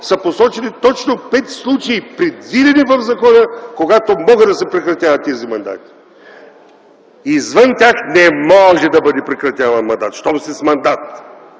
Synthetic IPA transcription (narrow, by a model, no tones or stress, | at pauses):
sɐposɔt͡ʃɛnit̪ɔt͡ʃnopɛt̪slˠut͡ʃɛipɾɛd̪vid̪ɛnivɐvzɐkɔnəkoɡat̪omɔɡəd̪ɐsɛpɾɛkɾɐt̪ʲjavɐt̪ːɛzimɐnd̪a̰t̪i̥ | izvənt̪ʲjaxnɛmɔʒɛd̪ɐbəd̪ɛpɾɛkɾɐt̪ʲjavɐnmɐnd̪at̪ʃt̪ɔmsɛsmɐnd̪at̪